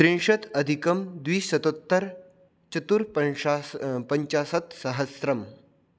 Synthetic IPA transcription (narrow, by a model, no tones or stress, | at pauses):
sɾiɳʂɐt̪ɐd̪ʱikɐmd̪ʋiːɐt̪ot̪ːɐɾ | t͡ɕɐt̪uɾp | pɐɲt͡ʃasɐt̪sɐɦɐsɾɐm